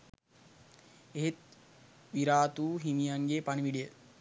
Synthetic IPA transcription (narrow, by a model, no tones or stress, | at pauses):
eɦet̪̚ | ʋiɾaːt̪uːɦimijaŋɡepaniʋiɖijə